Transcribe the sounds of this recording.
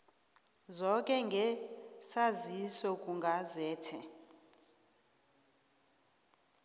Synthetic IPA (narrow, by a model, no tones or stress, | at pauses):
zɔkʼɛŋɡʱɛsazisɔk̬ʼuŋɡʱazɛːtʰɛ